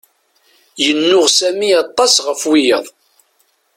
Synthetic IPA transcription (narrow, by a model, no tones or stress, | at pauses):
jənːʊʁsæmiɑt̪ˤːɑsʁəfwijəðˤ